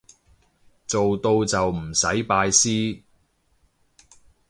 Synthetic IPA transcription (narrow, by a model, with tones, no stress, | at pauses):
t͡so˨wt̪o˧wt͡sɐ˨wm̩˨˩sɐ˨˥jpaː˧jsiː˥